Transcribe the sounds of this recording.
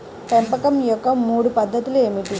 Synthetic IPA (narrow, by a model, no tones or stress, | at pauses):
pempɐkɐmjɔkːɐmuːɽupɐd̪ʱːɐt̪uleːmiʈi